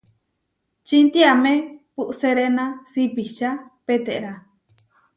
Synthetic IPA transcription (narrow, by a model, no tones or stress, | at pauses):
t͡ʃint̪iamẽpuʔseɾenãsipiʃapet̪eʔɾa